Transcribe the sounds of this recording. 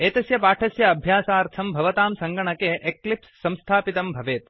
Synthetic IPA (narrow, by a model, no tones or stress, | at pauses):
eːt̪ɐsjɐpaːʈʰɐsjɐɐbʱjaːsaːɾt̪ʰɐmbʱɐʋɐt̪aːmsɐŋɡɐɳɐkeːʔeklipsːɐ̃mst̪ʰaːpit̪ɐmbʱɐʋeːt̪